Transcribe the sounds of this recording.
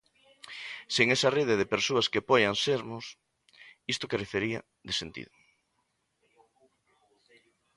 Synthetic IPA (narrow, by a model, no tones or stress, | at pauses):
seŋesareðeð̞epeɾsoaskepɔjanseɾmʊs | ist̪okerefeɾiɐ̰ | ðesent̪ḭðʊ